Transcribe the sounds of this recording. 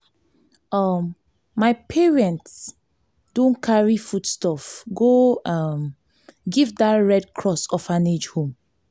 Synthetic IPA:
ʌmː | aɪpʰeɹɛ̃nts | d̥õnkʰaɹifudstɔfɡoʌm | ɡivdaɹɛd̚kʰɹɔsɔfãned͡ʒhõm

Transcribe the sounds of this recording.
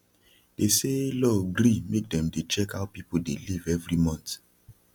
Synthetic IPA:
d̥eselɔɡɾimek̚dɛ̃mdet͡ʃɛkaʊpipodelivɛvɾimɔ̃nt

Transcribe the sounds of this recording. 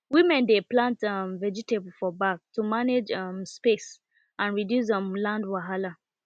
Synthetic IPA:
wimɛ̃ndeplãntmvɛd͡ʒitebl̩fɔbaktʰumaned͡ʒʌmspes | ʔãnɹidjus̬dɛ̃mlãndwaɦala

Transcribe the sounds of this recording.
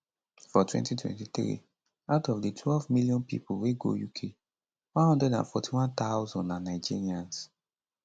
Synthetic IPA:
fɔtʰwɛ̰̃ntitʰwɛ̰̃ntit̪ɹḭ | aʊtɔvditʰwɛlvmiljɔ̃npḭpulweɡo̰jukʰe | wɔ̃nhɔ̃ndɹɛdã̰nfɔtʰiwãnt̪aʊzɔ̃nːãnːaɪd͡ʒiɹiãns

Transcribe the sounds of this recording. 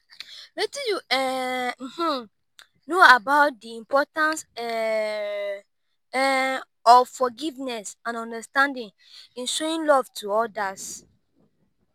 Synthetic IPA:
lɛtjuɛm̩hm̩ | noabaʊt̚diĩmpʰɔtãns | ɔvfɔɡivnɛsãnɔ̃ndastãndĩŋ | ĩnʃoĩnlɔv̥tʰuɔdas

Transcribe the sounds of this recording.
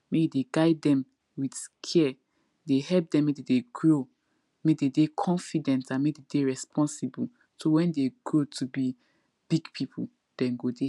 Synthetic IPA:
mebideɡaɪdɛ̃m | widskʰɛ | dehɛlp̚dɛ̃mededeɡɹo | mededekʰɔ̃nfidɛ̃ntãnmededeɹɛspʰɔ̃nsibul | towɛ̃ndeɡ̥ɹotʰubi | b̥iɡpʰipʰu | d̥ɛ̃mɡode

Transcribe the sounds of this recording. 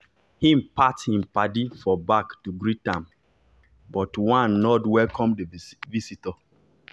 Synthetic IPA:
hĩmpathĩmpadifɔbaktuɡɹitãm | bɔtwãnːɔdwɛlkɔ̃mdəvisitɔ

